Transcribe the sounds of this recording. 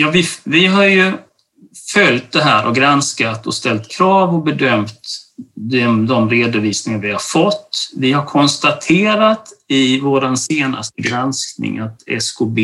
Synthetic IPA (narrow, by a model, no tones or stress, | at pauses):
jɑːvɪvɪɦaɾjɵ | fœlt̪̚d̪ɛɦæːɾʔɔɡɾanskat̪ʰɔ̰st̪ɛlt̪kʰɾɑːvɔbɛd̪œmt̪d̪ɛmd̪ɔmɾeːd̪ʊviːsnɪŋaɾvɪhaɾfɔt̪ːvɪhaɾkʰɔnst̪at̪ʰeːɾat̪ɪvoːɾanseːna̰st̪əɡɾansknɪ̰ŋat̪ɛ̰skʰʊbeː